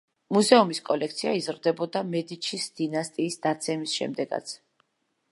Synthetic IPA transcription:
muzɛumiskʼɔlɛk̚ʰt̪sʰiaizɾd̪ɛbɔd̪amɛd̪it͡ʃʰisd̪̥inast̪ʼiːsd̪at̪sʰɛmisʃɛ̰md̪ɛɡa̰t̪sʰ

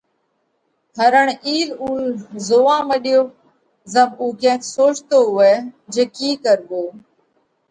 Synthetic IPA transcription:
t̪ʰəɾəɳiːluːzoːãːməɗɪjoː | zəbuːkɛ̃ːk̪soːt͡ʃt̪oːɦʊeːd͡ʒeːkiːkəɾɡoː

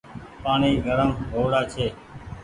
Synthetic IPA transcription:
paːɳiːɡʱəɾəmɦoːɽaːt͡ʃʰeː

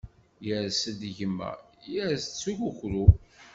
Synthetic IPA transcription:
jəɾsəd̪ʝəmːæ̰jəɾst͡sːuʝuçɾu

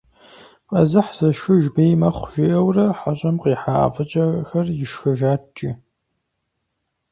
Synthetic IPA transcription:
qʼɐzɨħz̥ɐʃʊʒbejmɐχʷʒ̥eʔɐwrɐħaɕʼɐmqiːħa̰ːfɐt͡ʃʼɐxɐrjɪʃxɐʒaːt͡ʃʼi

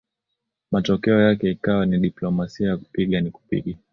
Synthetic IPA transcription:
matɔkɛɔjakɛikawaniɗiplɔmasiajaku̥piɠaniku̥pḭɠa

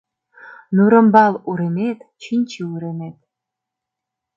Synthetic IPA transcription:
nuɾɤ̆mbɑluɾemet̪t͡ɕinʲt͡ɕiuɾemet̪̚

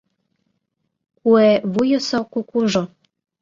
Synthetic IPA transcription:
kueβujɤ̆sokukuʒo

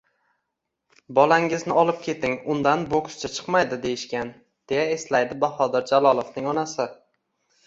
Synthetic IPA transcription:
bɒlaŋɪznɪɒlˠɪp̚kʲʰe̞t̪ɪŋʊnd̪anbokʊ̥st͡ʃʰat͡ʃʰɨ̥qmajd̪ɪd̪e̞jɪʃkʲan | d̪̥e̞jaeslajd̪ɪbaχɒd̪ɪɾd͡ʒalˠɒlˠovnɪŋɒnasɪ

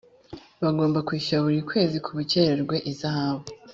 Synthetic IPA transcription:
βaɡo̞ːmbakwiːʃuaβuɾikwe̞ːzikʰuβuceɾeɾɡwe̞ʔizahaβo

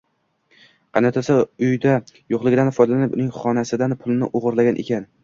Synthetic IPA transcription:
qʰɑnat̪ʰasɪʊjd̪ajoqlˠɪɡʲɪd̪anfɒjd̪alanɪpʊ̰nɪŋχɒnasɪd̪anpʰʊlˠɪnɪ̰ʔoʁʊɾlaɡʲanʔḛkʲʰan

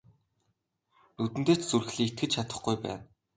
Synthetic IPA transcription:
nut̪ɘ̆nt̪eːt͡ɕt͡surxɮiːt̪̚ɡɘ̆t͡ɕt͡ɕʰat̪ə̥̆χɡujpæ̰ːn

